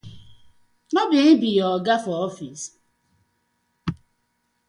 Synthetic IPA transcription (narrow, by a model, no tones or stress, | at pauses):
nɔbɪnbijɔɡafɔɔfis